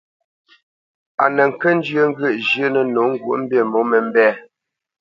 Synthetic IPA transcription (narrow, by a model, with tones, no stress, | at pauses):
a˨nə˨ŋ̩˨kə˦n̩˦d͡ʒjə˦ŋ̩˦ɡə˦˨ʔd͡ʒjə˦nə˨no˨˦ŋ̩˦ɡwu˨˦ʔm̩˦be˦˨mo˨˦mə˨m̩˦bɛ˦˨